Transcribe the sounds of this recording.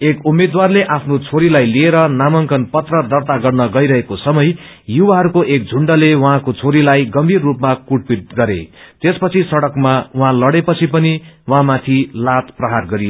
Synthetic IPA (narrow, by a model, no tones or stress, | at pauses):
ekumːed̪warleʔapʰnot͡sʰoɾilajlieɾʌnamʌŋkʌnpʌt̪rʌd̪ʌrt̪aɡʌrnʌɡʌjɾʌɦekosʌmʌj | juwaɦʌɾukoʔek̚d͡zʱuɳɖʌlewʌɦãkot͡sʰoɾilajɡʌmbʱirːupmakuʈ̚pit̪̚ɡʌɾḛt̪espʌt͡sʰisʌɽʌkmauɦãlʌɽepʌt͡sʰipʌniwɦãmat̪ʰilat̪prʌɦarɡʌɾijo